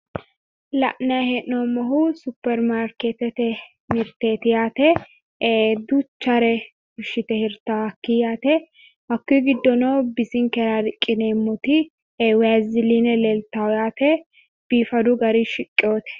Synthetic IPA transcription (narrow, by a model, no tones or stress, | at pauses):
lɐ̰ʔnɐhɛʔːoːmːɐɦʊsʊpːɛɾmaːɾket̪ɛt̪ɛ | mɪɾt̪eːt̪ɪjaːt̪ɛ | d̪ut͡ʃːɐɾɛ | hʊʃɪt̪ɛhɪɾt̪aːɐkːijaːt̪ɛ | hɐkːiːɡɪd̪ːɔnoːbɪsɪŋkɛɾaɾɪkʼːɪneːmːɔt̪i | wazɪlinɛleːlt̪aɔjaːt̪ɛ | b̥iːfɐd̪ʊɡɐɾiːʃɪkʼːɪoːt̪ɛ̥